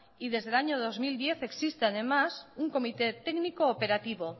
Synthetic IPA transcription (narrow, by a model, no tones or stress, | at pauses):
iðe̞zðelaɲoð̞o̞zmild̪je̞θe̞ksist̪eað̞e̞masuŋko̞mit̪e̞t̪eknikoːpe̞ɾat̪iβo